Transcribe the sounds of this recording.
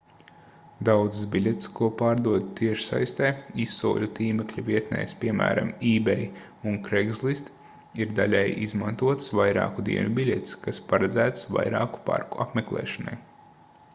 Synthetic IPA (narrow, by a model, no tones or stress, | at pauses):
d̪awd̪zsbilʲet̪skuɔpɑːɾd̪uɔd̪t̪iɛʃsa̰jst̪ɛːisːṵːlʲut̪iːmɛklʲuviɛt̪nɛ̰jspʲiɛmæ̰ːɾa̰miːbɛj | unkɾɛɡzlˠist̪ | iɾd̪alʲɛjizmant̪uɔt̪svajɾɑ̰ːkud̪ḭɛnubʲilʲet̪skaspaɾad̪zæːt̪sva̰jɾɑ̰ːku̥pa̰ɾkuʔa̰pmeklˠɛ̰ːʃana̰j